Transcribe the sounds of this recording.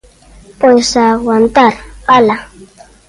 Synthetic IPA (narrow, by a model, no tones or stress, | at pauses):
pojsawant̪aɾpala